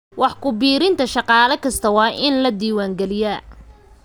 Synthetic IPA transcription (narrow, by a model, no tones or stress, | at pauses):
wɑħkʰʊbiːɾɪnt̪ʰɐʃɑqɑːlɐkʰɐst̪ʰɐwɑːʔɪnlɐd̪iːwaːŋɡɛlɪjɐ